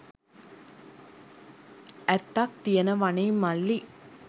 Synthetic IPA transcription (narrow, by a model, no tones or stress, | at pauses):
ɛt̪ːak̚t̪ijɐnɐʋɐnɐjmɐlːi